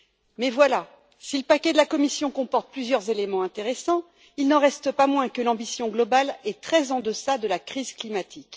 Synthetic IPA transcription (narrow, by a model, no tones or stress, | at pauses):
mɛvwala | siləpakʲɛd̪əlakɔmisjɔ̃kɔ̃pɔʁt̪̚plyzjœʁzelemɑ̃ɛ̃t̪eʁesɑ̃ | ilnɑ̃ʁɛst̪əpamwɛ̃kəlɑ̃bisjɔ̃ɡlɔbalɛt̪χɛzɑ̃d̪əsad̪əlakχizklimat̪ʰik